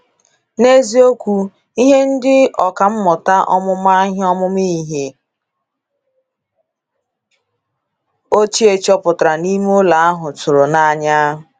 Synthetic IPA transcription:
ne˦zi˦o˦kʷu˦ | i˦ɦe˦n̩˦dɪ˦ɔ˨ka˨m̩˦mʊ˨ta˦ʔɔ̰˦mʊ˦ma˦ɦɔ˦mʊ˦mi˦˨ɦe˨ | o˦t͡ʃi˦e˨t͡ʃɔ˦pʊ˨tɾa˨ni˦m˦o˦la˨a˦ɦʊ˨tʊ˨ɾo˨na˨a˨ɲa˦ɦʊ˨

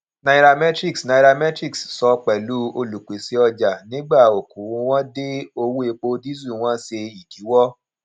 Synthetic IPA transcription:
na˧i˦ɾa˧mɛ˦tɾi˦ksna˧˨˧ɾa˧mɛ˦tɾi˦kssɔ˧k͡pɛ˨lu˦o˧lu˨k͡pe˨se˧ɔ˧d͡ʒa˨nĩ˨˦ɡ͡ba˦˨o˨kũ˨˦ww̃ɔ̃˦de˦o˧wu˦e˧k͡po˧di˦zu˦˨w̃ɔ̃˦se˧i˨ki˨˦wɔ˦

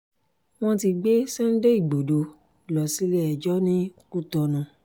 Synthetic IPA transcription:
w̃ɔ̃˦ti˧ɡ͡be˦sɛ˦n̩˦de˦i˦˨ɡ͡bo˨do˨˦ | lɔ˨si˨˦lɛ˦ɛ˨d͡ʒɔ˦nĩ˦ku˦˨tɔ˧nũ˧

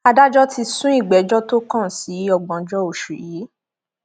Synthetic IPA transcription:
a˧da˦d͡ʒɔ˦ti˧sũ˦i˦˨ɡ͡bɛ˨˦d͡ʒɔ˦to˦kã˦˨si˨˦ɔ˧ɡ͡bɔ̃˨d͡ʒɔ˦o˨ʃṵ˨ji˨˦

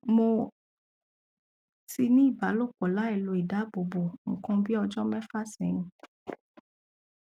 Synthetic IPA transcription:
mo˧ | si˧nĩ˦i˦˨ba˨˦lo˦˨k͡pɔ˨la˨˦ɛ˦˨lo˧˦i˨da˨˦bo˨bo˨ŋ̩˨kɔ̃˧bi˦ɔ˧d͡ʒɔ˦mɛ̃˦fa˦sɛ̃˨˦nũ˨˦

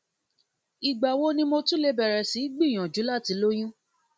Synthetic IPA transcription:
i˨ɡ͡ba˨wo˦nĩ˧mo˧tũ˦le˧bɛ˨ɾɛ˨si˨˦ɡ͡bi˦˨j̃ã˨d͡ʒu˨˦la˦˨ti˨˦lo˦j̃ũ˦

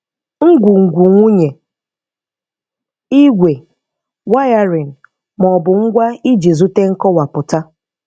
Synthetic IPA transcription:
ŋ̩˦ɡʷu˨ŋ̩˨ɡʷu˨ŋʷu˦ɲe˨ | i˦ɡʷe˨ | wa˦ja˦ɾi˨n̩˨ | mɔ˨bʊ˨ŋ̩˦ɡʷa˦i˦d͡ʒi˨zu˦te˦ŋ̩˦kɔ˦wa˨pʊ˨ta˦

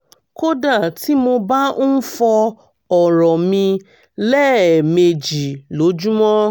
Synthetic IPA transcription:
ko˦da˦˨ti˦mo˧ba˦fɔ˧ | ɔ˨ɾɔ˨mĩ˧ | lɛ˦˨me˧d͡ʒi˨lo˨˦d͡ʒu˦mɔ̃˦

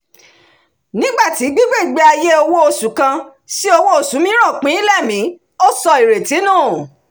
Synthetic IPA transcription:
nĩ˦ɡ͡ba˦˨ti˨˦ɡ͡bi˦ɡ͡be˦˨ɡ͡be˦a˧je˦o˧wo˦o˧su˨kã˧ | si˦o˧wo˦o˧su˨˦mĩ˦ɾ̃ã˦˨k͡pĩ˨˦i˦lɛ˦˨mĩ˨˦ | o˦sɔ˧i˨ɾe˨ti˨˦nũː˦˨

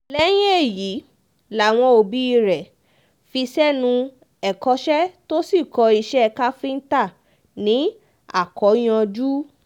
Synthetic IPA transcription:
lɛ˦j̃e˦e˦˨ji˨˦ | la˨w̃ɔ̃˧o˧˨bi˨˦i˧ɾɛ˨ | fi˧sɛ˦nũ˧ | ɛ˨kɔ˧˦ʃɛ˦to˦si˦˨kɔ˧i˧ʃɛ˦˧ka˦fi˦n̩˦ta˦˨ | nĩ˨˦ | a̰˦˨kɔ˨˦j̃ã˧d͡ʒu˦

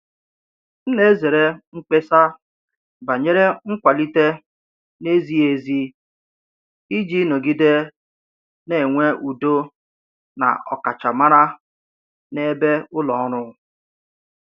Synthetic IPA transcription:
n̩˦le˦ze˨ɾe˦ŋ͡m̩˦k͡pe˦sa˦ | ba˨ɲe˦ɾe˦ŋ̩˦kʷa˨li˦te˦ | ne˦zi˦e˨zi˦ | i˦d͡ʒi˦no˨ɡi˦de˦ | ne˨ŋʷe˦ʔu˨do˦ | na̰˨ɔ̰˨ka˨t͡ʃa˨ma˦ɾa˦ | ne˦be˦ʊ˦lɔ˨ɔ˦ɾʊ˦ɣʊ˨

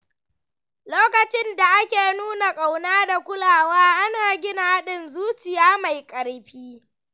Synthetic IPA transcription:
loː˦kɐ˨t͡ʃɪ˦nda˨ʔa˦kʲeː˨nuː˦na˨kʼa˨wnaː˦da˨kʷʊ˦laː˨waː˦ʔa˦naː˨ɡʲɪ˦na˨˦ɗɪ˦nzuː˦t͡ʃɪ˨jaː˦ma˨jkʼɐ˨ɽɸiː˦

